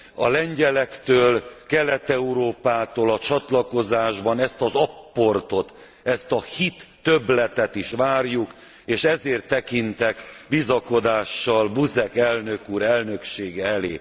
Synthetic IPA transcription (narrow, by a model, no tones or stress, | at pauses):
ɒ̰lɛɲɟɛlɛkt̪øːlkɛlɛt̪ɛuɾoːpaːt̪oːlɒt͡ʃɒt̪lɒko̞zaːʒbɒnɛst̪ɒzɒpːo̞rt̪o̞t̪ | ɛst̪ɒhit̪ːø̞blɛt̪ɛt̪iʃʋaːrjuk | eːʃɛzeːrt̪ːɛkint̪ɛkbizɒko̞d̪aːʃːɒlbuzɛkɛlnø̞kuːɾɛlnø̞kʃeːɡɛɛleː